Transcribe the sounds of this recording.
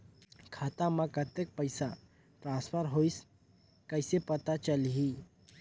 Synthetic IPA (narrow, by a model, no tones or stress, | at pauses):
kʰaːt̪amãkət̪ek̚pəɪsa | ʈɾãːspʰəɾɦoːis | kɐɪsepɐt̪at͡ʃəlɦi